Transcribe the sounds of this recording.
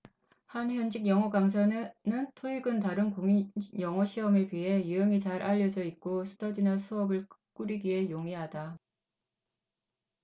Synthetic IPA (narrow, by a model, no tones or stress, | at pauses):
hançjʌnd͡ʑiɡjʌŋʌɡaŋs̬ʰannɯntʰoiɡɯntaɾɯnkoŋijʌŋʌɕʰiʌmɯɭpɥiɦe̞juʌŋit͡ɕaɾʔaʎːʌd͡ʑʌik̚k͈osʰɯ̥dʰʌdinasʰuʌbɯɭk͈uɾiɡɥiɦe̞joŋeɦada